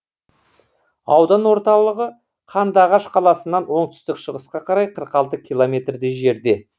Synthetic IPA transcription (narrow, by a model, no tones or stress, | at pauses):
ɑwd̪ɑnwo̞ɾt̪ɑlˠəʁə | qʰɑnd̪ɑʁɑʃqʰɑlˠɑsənːɑnwo̞ɴt̪ʏ̥st̪ɪkʃəʁəsqɑqʰɑɾɑjqʰəɾqɑlˠt̪əkʲʰilˠomʲe̞t̪rd̪ɪʒe̞ɾd̪e̞